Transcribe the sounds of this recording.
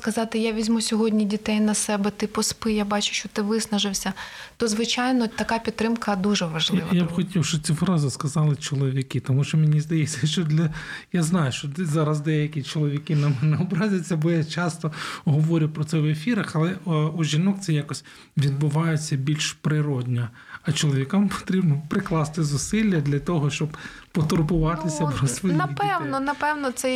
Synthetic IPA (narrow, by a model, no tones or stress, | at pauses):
skɐzɑt̪ɪjaʋʲizʲmusʲɔɦɔdʲnʲidʲit̪ɛjnɐsɛbɛt̪ɪpɔspɪjabɑt͡ʃʊ̥ʃt͡ʃɔt̪ɪʋɪsnɐʒɪwsʲɐt̪ɔzʋɪt͡ʃajnɔt̪ɐkɑpʲid̪t̪t̪ɾɪmkɐd̪uʒɛʋɐʒlɪʋɐjabxɔtʲiwʃt͡ʃɔt͡sʲifɾɑzɪskɐzɑlˠɪt͡ʃɔlˠɔʋʲikɪt̪ɔmuʃt͡ʃɔmʲenʲizd̪ɐjɛt͡sʲːɐʃt͡ʃɔd̪lʲɐjaznɑjʊʃt͡ʃɔzɑɾɐzd̪ɛjɐkʲit͡ʃɔlˠɔʋʲikɪnɐmɛnɛɔbɾɑzʲɐt͡sʲːɐbɔjat͡ʃɑst̪ɔɦɔʋɔɾʲɪjpɾɔtsɛʋefʲiɾɐxɐlˠɛuʒʲinɔk̚t̪sɛjakɔsʲ | ʋʲid̪̚bʊʋɑjet͡sʲːɐbʲilʲʃpɾɪɾɔd̪ʲnʲɐ | ɐt͡ʃɔlˠɔʋʲikampɔ̥t̪ɾʲibnɔpɾɪklˠɑst̪ɪzʊsɪlʲːɐd̪lʲɐt̪ɔɦɔʃt͡ʃɔb̥ | pɔt̪ɔrbʊʋɑt̪ɪsʲɐpɾɔsʋɔjndiɛwnɔnɐpɛwnɔt̪sɛ